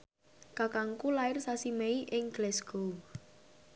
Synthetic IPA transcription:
kakaŋkulaɪrsasimeiʔɪŋɡ̥lɛsɡ̥o

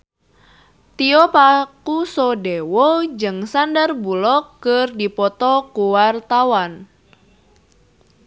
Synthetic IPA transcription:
t̪iɔpakusɔdewɔd͡ʒɨŋsandərbulɔkːɨrdipɔt̪ɔkuwart̪awan

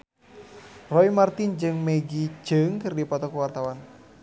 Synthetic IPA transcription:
rɔimart̪ind͡ʒɨŋmeɡid͡ʒəŋkɨrdipɔt̪ɔkuwart̪awan

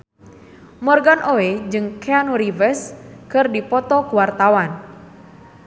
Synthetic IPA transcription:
mɔrɡanʔoed͡ʒɨŋkʰeanuɾivəskɨrdipɔt̪ɔkuwart̪awan

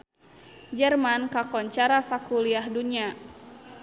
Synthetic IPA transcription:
d͡ʒərmankakɔɲt͡ʃaɾasakuliahduɲa

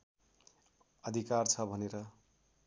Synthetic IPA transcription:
ʌd̪ʱikart͡sʰʌbʱʌneɾʌ

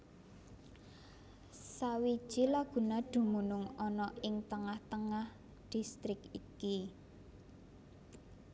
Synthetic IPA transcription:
sawi̥ʒ̥ilaɡ̥ṳnaɖ̪̥ṳmunʊŋɔnɔɪŋt̪əŋaht̪əŋah | d̪̥i̤st̪ɾɪkiki

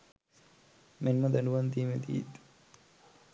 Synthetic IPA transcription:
mʔenːɐd̪anuʋant̪iːmet̪ḭḭt̪

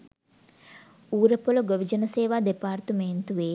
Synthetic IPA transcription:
uːɾəpoloɡoʋid͡ʒənɐseːʋaːd̪epaːrt̪əmeːnt̪uʋeː

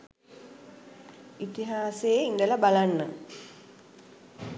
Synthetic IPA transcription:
it̪iɦaːseːindɐlɐbalanːə

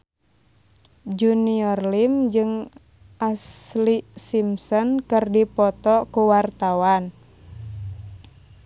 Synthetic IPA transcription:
d͡ʒuniɔrlimd͡ʒɨŋ | ʔaslisimsɔnkɨrdipɔt̪ɔkuwart̪awan

